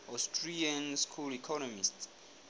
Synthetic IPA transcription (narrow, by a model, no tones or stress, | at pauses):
astʰɹiãnskʰulikʰɔnɔmist